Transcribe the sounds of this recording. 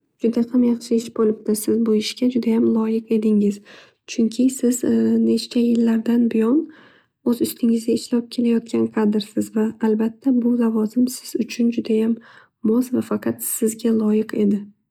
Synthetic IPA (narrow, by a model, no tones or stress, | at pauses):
d͡ʒʊd̪aqʰɨmjɑχʃɪeʃbolˠɪp̚t̪ɪsɪzbojɪʃɡʲad͡ʒʊd̪ajamlˠɒjɪqe̞d̪ɪŋɪz̥ | t͡ʃʰʊŋkʲʰɪsɪzne̞ʃt͡ʃʰajɪlːaɾd̪anbɪjɒn | ɵzʊst̪ʰɪŋɪzd̪aɪʃlap̚kʲʰe̞lajɒt̪̚kʲʰanqʰɑd̪ɪɾsɪzvaːlbat̪ʰːabʊlavɒzɪmsɪz̥ʊt͡ʃʰʊnd͡ʒʊd̪ajamː | ɒsvafɑqʰɑt̪sɪzɡʲalˠɒjɪqʰe̞d̪ɪ